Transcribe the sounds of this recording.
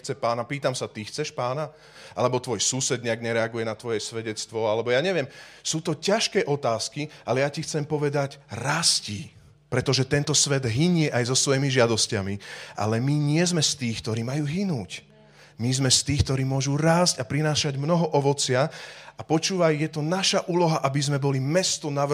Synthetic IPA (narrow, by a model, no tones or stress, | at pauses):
t͡sɛpaːnapiːt̪amsat̪ixt͡sɛʃpaːna | ʔa̰lɛbɔt̪ʋɔjsuːsɛd̪ɲɛaɡɲɛɾɛaɡujɛnat̪ʋɔjɛsʋɛɟɛt͡st̪ʋɔalɛbɔjaːɲɛʋɪɛmsuːt̪ɔcaʃkɛːʔɔt̪aːskiʔalɛjacixt͡sɛmpɔʋɛd̪aɟɾasci | pɾɛt̪ɔʒɛt̪ɛnt̪ɔsʋɛd̪ɦiɲɪɛʔajzɔsʋɔjimiʒɪad̪ɔscamiʔa̰lɛmiɲɪɛzmɛst̪iːxkt̪ɔɾiːmajuːɦinuːc | mizmɛst̪iːxk̚t̪ɔɾiːmʊɔʒuɾaːscapɾinaːʃaɟmnɔɦɔʔɔʋɔt͡sɪaapɔt͡ʃuːʋajjɛt̪ɔnaʃaʔuːlɔɦaʔabizmɛbɔlimɛst̪ɔnaʋ